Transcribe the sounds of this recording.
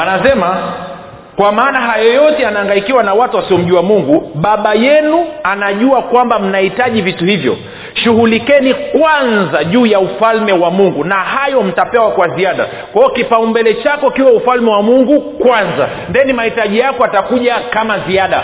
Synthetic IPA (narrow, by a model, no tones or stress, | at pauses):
anasɛma | kwamaːnaɦajɔjɔtɛanaːŋɡaikiwanawatuwasiɔm̩ʄuamuŋɡuɓaɓajɛnuanaʄuakwambam̩nahitaʄivituhivjɔ̰ | ʃuɦulikɛnikwanzaʄuːjaufalmɛwamuŋɡunahajɔm̩tapɛwakwaziaɗa̰ | kwaɔkipaumbɛlɛt͡ʃakɔikiwaufalmɛwamuŋɡukwanza̰ | ndɛnimahitaʄijakɔatakuʄakamaziaɗa